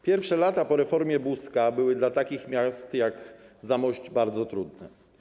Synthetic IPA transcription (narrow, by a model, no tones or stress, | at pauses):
pʲjɛɾfʂɛlat̪apɔɾɛfɔɾmʲjɛbuskabɘwɘd̪lat̪akʲixmʲjast̪jaɡzamɔɕd͡ʑbaɾd̪zɔt̪ɾud̪nɛ